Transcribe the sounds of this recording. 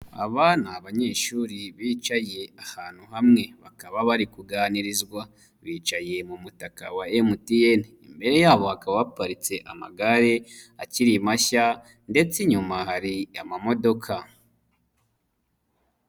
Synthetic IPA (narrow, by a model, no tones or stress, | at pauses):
a̰βanaːβaɲe̞ːʃuːɾiβiːt͡ʃaje̞ahaːn̥huhamŋe̞βakaβaβaɾikuɡaːniɾizɡwa | βiːt͡ʃaje̞mumutaka̰waemutienimbe̞ɾe̞jaːβo̞hakaβaβapaɾit͡se̞ʔama̰ɡaɾe̞aciɾimaça | nde̞t͡seɲumahaɾijamamo̞do̞kʰa